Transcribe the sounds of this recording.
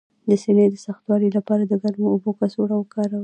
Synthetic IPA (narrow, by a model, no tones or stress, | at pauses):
d̪əsened̪əsaxt̪wɑɽilapɑɾad̪əɡalmoubokasoɽawəkɑɾaw